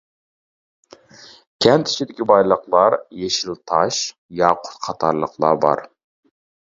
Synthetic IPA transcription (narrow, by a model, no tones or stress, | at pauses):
kʲʰɛnt̪ʰi̥t͡ʃʰid̪ɪkʲibɑjlˠəqlˠɑɾjeʃilˠt̪ʰɑʃ | jɑqʰʊ̥t̪qʰɑt̪ʰɑɾlˠəqlˠɑ̰bɑ̰ɾ